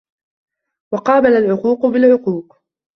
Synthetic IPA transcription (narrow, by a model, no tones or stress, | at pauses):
wɑqɑːbalalʕʊquːqbɪlʕʊquːq